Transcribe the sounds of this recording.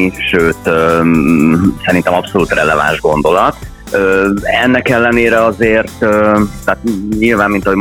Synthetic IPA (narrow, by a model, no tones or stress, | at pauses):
iʃøːt̪ø | sɛɾint̪ɛmɒpso̞luːt̪rɛlɛva̰nʒɡo̞nd̪o̞lɒt̪ | øːɛnːɛkɛlːɛneːɾɛɒzeːrt̪øt̪ːaːt̪ɲilvaːmːint̪ɒɦo